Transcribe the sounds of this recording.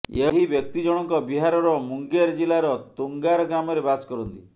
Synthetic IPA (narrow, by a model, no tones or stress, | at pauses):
eɦibjɔk̚t̪id͡ʒɔɽ̃ɔŋkɔbiɦaɾɔɾɔmuŋɡeɾd͡ʒilaɾɔt̪uŋɡaɾɔɡɾamɔɾebaskɔɾɔnt̪ḭ